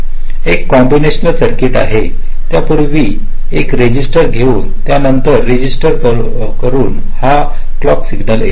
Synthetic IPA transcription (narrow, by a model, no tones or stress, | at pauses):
ekːɔmbineɕnəlsəɾkeʈa̰ɦe | t̪japuɾʋiː | ekɾed͡ʑisʈəɾɡʱeuːnt̪janənt̪əɾːed͡ʑisʈəɾ | kəɾuːn | ha | klɔksiɡnəle